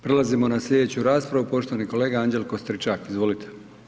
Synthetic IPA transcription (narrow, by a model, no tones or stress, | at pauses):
pɾe̞lazimo̞naslʲed̪et͡ɕuɾaːspɾaʋupo̞ʃt̪oaniko̞le̞ːɡaaɲd͡ʑe̞lko̞st̪ɾit͡ʃakizʋo̞lit̪ʰe̥